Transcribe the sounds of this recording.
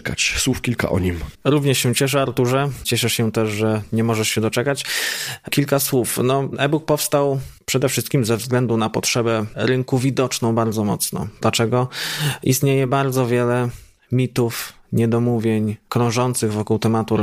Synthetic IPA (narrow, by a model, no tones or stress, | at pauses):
ka̰t͡ɕswufkʲilka̰ʔɔ̰ɲimɾuvɲɛʂɕɛ̃t͡ɕɛʂ̬ɛaɾt̪uʐɛt͡ɕɛʂɛʂɕɛt̪ɛʐʐɛɲɛmɔʐɛʂɕɛd̪ɔt͡ʂɛkat͡ɕkʲilkaswufnɔɛbuk̚pɔfst̪awpʂɛd̪ɛfʂɘst̪̚kʲimzɛvzɡlɛnd̪unapɔtʂɛbɛɾɘŋkuvʲid̪ɔt͡ʂnɔ̃w̃baɾd̪zɔmɔt̪snɔ̰d̪lat͡ʂɛɡɔʔḭst̪ɲejɛbaɾd̪zɔvʲjɛlɛ | mʲit̪uf | ɲɛd̪ɔmuvʲjeɲkɾɔ̃w̃ʐɔnt̪sɘɣvɔkuwt̪ɛmat̪uɾ